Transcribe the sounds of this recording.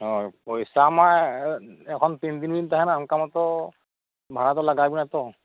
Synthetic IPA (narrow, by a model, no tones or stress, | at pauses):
ɔpɔjsama | ɛkʰɔnt̪ind̪inbintaɦɛnamkamɔt̪ɔ | bʱanat̬ɔlaɡabinat̪ɔ